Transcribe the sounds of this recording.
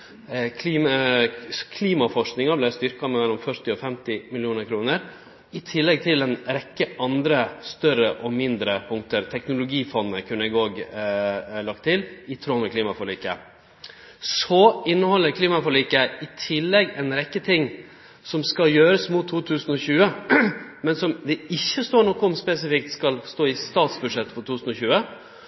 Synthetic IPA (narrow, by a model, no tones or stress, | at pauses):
k̪ʰː | kʰliːmɑfɔʂknɪŋɑblæɪst̪ʏɾkɑmɛmɛlːɔmfœɾʈ̪ɪɔfɛmt̪ɪmɪlɪuːnəɾkʰɾuːnəɾ | ɪt̪ʰɪlːɛɡ̚t̪ʰɪlɛnɾɛkːəʔɑnd̪ɾəst̪œɾəʔɔmɪnd̪ɾəpʰʊŋkt̪əɾt̪ʰɛknʊlʊɡiːfɔnːəkʰʉnːəɛɡoːɡ | lɑk̚t̪ʰːɪlɪt̪ʰɾoːməkliːmɑfɔɭiːkə̰ | sɔɪnːəhɔlːəɾkʰliːmɑfɔɭiːkəɪt̪ʰɪlːɛɡɛnɾɛkːət̪ʰɪŋː | sɔmskɑljøːɾəsmʊt̪ʰːuːt̪ʰʉːsən̩ɔçʉːə | mɛnsɔmd̪ɛɪçːəst̪oːɳɔkːɔɔmspɛs̬ɪfɪk̚t̪skɑlst̪oːɪst̪ɑːt̪sbʉdʂɛt̪ːfɔɾʈ̪ʰuːsn̩ɔçʉːə